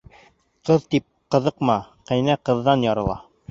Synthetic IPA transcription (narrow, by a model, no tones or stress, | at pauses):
qɤðt̪ip̚qɤ̆ðɤqmɑqæ̆jnæqɤ̆ðːɑnjɑɾɤ̆lˠɑ